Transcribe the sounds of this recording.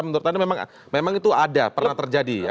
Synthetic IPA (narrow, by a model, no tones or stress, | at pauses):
mənuɾʊt̪animemaŋ̰ | memaŋit̪uadapərnnat̪ərd͡ʒadija